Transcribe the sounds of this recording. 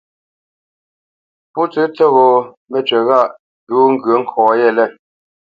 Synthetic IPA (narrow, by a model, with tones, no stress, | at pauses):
pu˦t͡sɨ˦t͡sɛ˦˨ɣo˨ | mɛ˨t͡ʃɥɛ˨ɣa˦˨ʔ | tuː˨˦ŋ̩˦ɡɥə˨˦ŋ̩˨kʰɔ̃ː˨jɛ˦˨lɛ˦˨